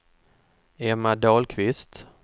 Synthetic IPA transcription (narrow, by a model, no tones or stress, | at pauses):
ɛmːad̪ɑːlkʰvɪst̪